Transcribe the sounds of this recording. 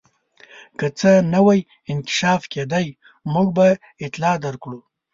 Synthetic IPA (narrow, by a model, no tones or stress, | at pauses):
kət͡sənawaj | ɪnkɪ̥ʃɑfked̪aj | muɡba | ɪt̪lɑd̪aɾkɽu